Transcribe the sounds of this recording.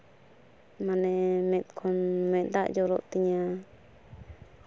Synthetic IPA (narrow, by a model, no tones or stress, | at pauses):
mãnẽmẽt̪kʰonmẽd̪aʔd͡ʒoɾot̪iɲã